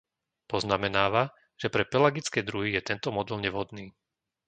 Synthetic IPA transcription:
pɔznamɛnaːʋa | ʒ̥ɛpɾɛpɛlaɡit͡skɛːd̪ɾuɦijɛt̪ɛnt̪ɔmɔd̪ɛlɲɛʋɦɔd̪niː

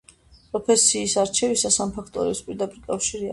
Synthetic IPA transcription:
pʼɾɔpʰɛsiːsaɾt͡ʃʰɛvisasampʰakʰt̪ʼɔɾɛ̰spʼiɾd̪apʼiɾkʼafʃiɾia

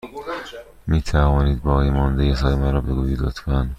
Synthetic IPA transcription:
miːt̪ʰævɒːniːd̪̚bɒːɣiːmɒːnd̪ejesɒːjemæɾɒːbeɡuːbiːd̪ɒt̪kæn

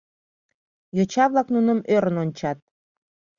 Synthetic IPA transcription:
jot͡ɕɑβlɑknunəmøɾənonʲt͡ɕɑt̪̚

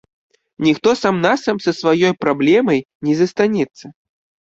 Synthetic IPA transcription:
nʲixt̪ɔsamnasɐmsɐsvajɔjpɾablʲɛmɐj | nʲɛzɐst̪anʲɛt̪sːɐ

